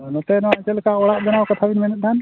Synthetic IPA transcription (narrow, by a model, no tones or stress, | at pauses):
nɔt̪ɛnɔatɛlɛkaʔɔɽaʔbɛnawkat̪ʰabinmɛnɛt̪̚dan